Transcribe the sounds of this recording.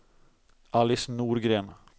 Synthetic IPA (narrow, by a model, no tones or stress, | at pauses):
ʔalɪsnuːɾɡɾeːn